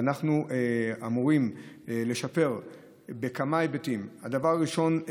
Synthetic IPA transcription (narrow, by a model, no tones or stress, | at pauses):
naχnueamuʁim | le̞ʃape̞ʁ | bekamajbetimad̪avaʁːiʃo̞n